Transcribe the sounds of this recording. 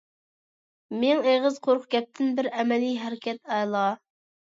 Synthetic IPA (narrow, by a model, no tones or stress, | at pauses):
meŋeʁəzqʰoɾχɡʲɛp̚t̪ʰɪnbɪɾɛmɛlijɦæɾɪkʲʰɛt̪ɑjlˠɑ